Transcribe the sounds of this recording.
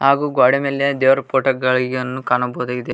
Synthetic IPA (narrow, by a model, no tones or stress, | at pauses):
ɦaːɡuːɡaːɽemeːled̪eːʋɾɐpoːʈɐɡɐɭɡjɐnːukaːnɐboːd̪aːɡid̪e